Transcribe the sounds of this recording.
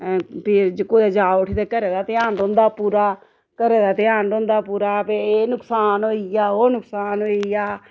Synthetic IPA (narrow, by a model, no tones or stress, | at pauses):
pʰɪd͡ʒkoːd̪aːd͡ʒaːʊʈʰiːt̪eːkəɾeːd̪aːt̪ɪaːnɖõːnd̪aːpuːɾaː | kəɾeːd̪aːt̪ɪaːnɖõːnd̪aːpuːɾaːpeːnʊksaːnɦoːijaːoːnʊksaːnɦoːijaː